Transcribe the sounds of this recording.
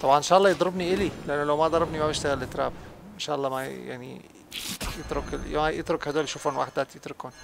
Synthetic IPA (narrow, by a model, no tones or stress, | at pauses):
t̪ˤɑbʕɑnenʃæʔɑlːɑːjed̪ˤɾebniʔelileʔenːolæwmæʔd̪ˤɑɾˤɑbnimæmeʃt̪æɣælːet̪ːɾæbenʃæʔɑlˤːɑːmæ̰ja̰ʕnḭ | jet̪ɾokelmæjet̪ɾokhæd̪uælʃuːfænwaħd̪æt̪jet̪ɾokhon